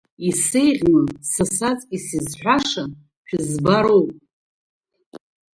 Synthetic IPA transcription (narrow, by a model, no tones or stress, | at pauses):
isejʁʲlɨnsasat͡sʼisizħʷᶣaʂa | ħᶣʰɨzbaɾowpʼ